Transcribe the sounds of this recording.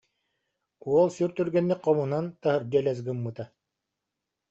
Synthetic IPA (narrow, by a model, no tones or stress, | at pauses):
uɔlˠsyɾt̪yɾɡɛnːiqːɔmunant̪aɦɯɾd̪ɛlʲɛz̬ɡɯmːɯt̪a